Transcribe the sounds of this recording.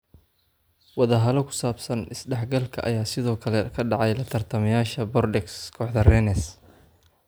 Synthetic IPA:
wɑðɐɦɐlɔkʰʊ̥saːbsɐnɪsɖɛħɡɐlkʰɐʔɐjaːsɪðɔːkʰɐlɛkʰɐɖɑʕɑjlɐt̪ʰɐrt̪ʰɐmɐjaːʃɐbɔrɖɛkskʰɔːħðɐrɛnɛs

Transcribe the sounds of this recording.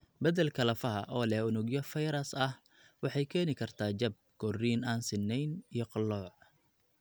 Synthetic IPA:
bɐðɛlkʰɐlɐfɐɦɐ̰ʔɔːlɛhʊnʊɡjɔfɛjɾɐsɐh | wɑħɑjkʰɛːnɪkʰɐrt̪ʰaːt͡ʃɐb̚ɡʰɔriːnaːnsɪnːɛjnijɔqɑlːɔːʕ

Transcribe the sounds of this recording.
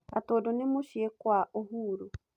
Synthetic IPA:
atoːdonemoʃiekwaʔoɦuːɾo

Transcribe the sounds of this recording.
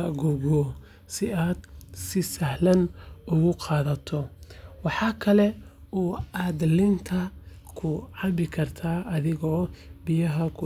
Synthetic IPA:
ɐɡʊɣɔ | sɪʔaːd̪sɪsɐhlɐnʊɣʊqɑːðɐt̪ʰɔwɑħɑːkʰɐlɛɔːaːd̪lɪnt̪ʰɐ | kʰʊʕɑβɪkʰɐrt̪ʰaːʔɐðɪɣɔːbɪjɐɦɐkʰʊ

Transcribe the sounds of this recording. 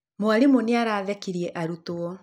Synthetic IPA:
moaɾemoneaɾaːðɛkiɾiɛʔaɾutoɔ

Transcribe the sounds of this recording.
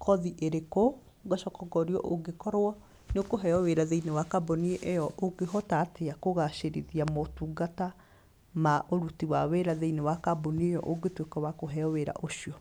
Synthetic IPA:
kʰɔðiʔeɾeko | ɡaʃɔkɔɡɔɾiɔ̰ʔoɡekɔɾoɔ | neokoɦɛɔweɾaðeinewakabonieʔejɔʔoɡeɦɔtateakoɣaʃeɾḭðiamotuːɡata | maʔoɾutiwaweɾaðeinewakaboniejɔ̰ʔoɡetwekɔwakoɦɛɔweɾa̰ʔoʃiɔ

